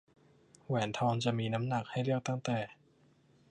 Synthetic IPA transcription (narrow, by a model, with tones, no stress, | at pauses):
wɛː˩˦nt̪ʰɔː˧ŋt͡ɕa˨˩miː˧na˦˥mna˨˩k̚ha˥˩jɾɯ˥˩ək̚t̪a˥˩ŋt̪ɛː˨˩